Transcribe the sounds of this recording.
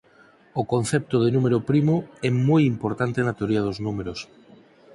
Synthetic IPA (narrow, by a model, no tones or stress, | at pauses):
okonθɛp̚t̪oð̞enumeɾopɾimoɛmojimpoɾt̪ant̪enat̪eoɾiað̞oznumeɾos